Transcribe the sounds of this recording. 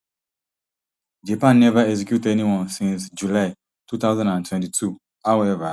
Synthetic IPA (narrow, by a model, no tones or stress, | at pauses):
d͡ʒapãnːɛvaɛks̬ɛkjutɛniwɔ̃nsĩnsd͡ʒulaɪ | tʰut̪aʊzãndãntʰwɛ̃ntitʰu | hawɛva